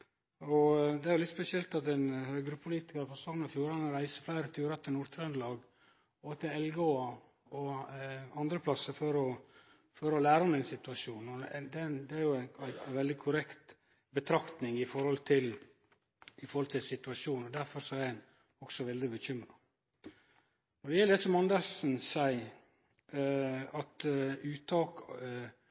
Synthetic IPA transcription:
ɔd̪ɛæɾjʊlɪt̪spɛsɪɛlt̪ɑt̪ɛnhøːɡəɾəpʰʊliːt̪ɪkəɾpʰɔst̪ɔmnɑfjuːɾɑnəɾæɪsəflæɪɾət̪ʰʉːɾɑt̪ʰɪlnuɾt̪ʰɾɑnd̪lɑːɡ | ɔt̪ʰɪlɛlɡoːɑ | ɔ | ɑnd̪ɾəpʰlɑsəfɔɾɔ | fɔɾɔlæːɾəɔmːæɪnsɪt̪ʉɑʂuːnɔd̪ɛnd̪ɛæɾjʊææɪʋɛld̪ɪkʰʊɾɛkt̪ | bət̪ʰɾɑkt̪nɪŋɪfɔɾhɔlt̪ʰɪl | ɪfɔɾhɔlt̪ʰɪlsɪt̪ʉɑʃuːnɔd̪æɾfɔɾsɔæɾn | ɔksɔʋɛld̪ɪbəɕʏmɾɑ | nɔdɛjɛləd̪ɛsɔmɑnd̪əsn̩sæɪ | ɑt̪ʉːt̪ʰɑːk

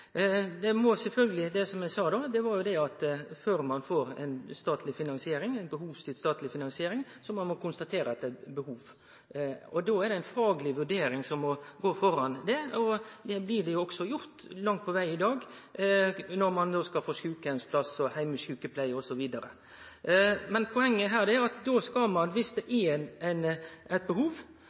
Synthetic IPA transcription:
d̪ɛmɔsɛlfœlɡəlɪd̪ɛsɔmjæɪsɑːd̪od̪ɛʋɑɾjʊd̪ɛɑt̪føːɾmɑnfoːɾɛ̰ɪnst̪ɑːt̪ʰlɪfɪnɑnsɪeːɾɪŋæɪnbəɦuːʋst̪ɪlst̪ɑːt̪lɪfɪnɑnsɪeːɾɪŋsɔmɑnmɔkʰʊnst̪ɑt̪ʰeːɾəɑt̪̚d̪ɛbəhuːʋ | ɔd̪oːæɾɖ̪ɛæɪnfɑːɡlɪʋʉɖeːɾɪŋsɔmɔɡoːfɔɾɑnd̪ɛɔd̪ɛblɪɖ̪ɛjʊɔksɔjʊɾt̪lɑŋt̪̚pʰɔʋæɪɪd̪ɑːɡ | nɔɾmɑnd̪oːskɑlfoːʂʉːkɛnspʰlɑsɔhæɪməʃʉːkəpʰlæɪɔsɔʋiːd̪ɑɾə̰ | mɛnpʰɔɛŋːəɦæːd̪ɛæɾɑt̪d̪oskɑlmɑnʋɪsd̪ɛʔɛnɛnɛt̪̚bəhuːʋ

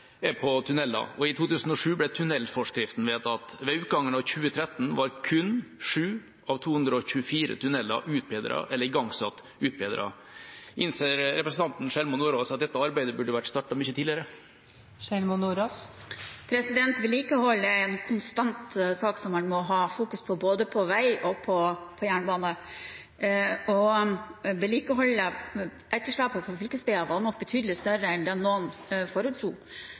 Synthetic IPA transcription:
ɛpʰɔt̪ʰʉnɛlːɑ̰ɔɪt̪ʰuːt̪ʰʉːsn̩ɔʂʉːblɛt̪ʰʉnɛlfɔʂkɾɪft̪n̩ʋeːt̪ɑt̪ʋɛʉːt̪̚əɡɑŋːənɑʋçʉːət̪ʰɾɛt̪ːn̩ʋɑɾkʰʉnʂʉː | ʔɑʋt̪ʰuːhʉnd̪ɾəɔçʉːəfiːɾə̰t̪ʰʉnɛlːɑ̰ʔʉːt̪̚beːd̪ɾɑ̰ʔɛlːəɾɪɡɑŋːsɑt̪ː | ʉːt̪̚beːd̪ɾʔɑ̰ | ʔɪnseːɾɾɛpɾəsn̩t̪ʰɑnt̪n̩ʂɛlmʊnːuːɾoːsɑt̪̚d̪ɛt̪ːəɑɾbæɪd̪əbʉɖəʋæʈst̪ɑːʈɑmʏçət̪ʰiːlɪəɾə | ʃɛlmʊnːuɾospʰɾɛsɪd̪ɛnt̪ʋɪliːkəhɔlːəɛnkʰʊnst̪ɑnt̪sɑːksɔmɑnmɔɦɑːfuːkʉspʰɔboːd̪əpʰɔʋæɪʔɔpʰɔpʰɔjæːɳbɑːnə | ɔ | ʋɪliːkəɦɔlːə | ʔɛt̪ːəʂɭɑpːəfʰɔfœlkəst̪iːɑʋɑd̪nɔk̚ːbət̪ʰyːd̪əlɪst̪œɾəɛnd̪ɛnːoːnfɔɾʉːt̪suː

